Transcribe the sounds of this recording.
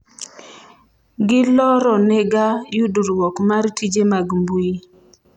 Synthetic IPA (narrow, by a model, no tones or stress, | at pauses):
ɡɪlɔɾɔnɛɡajuduɾwɔkmartʰid͡ʒemaɡmbui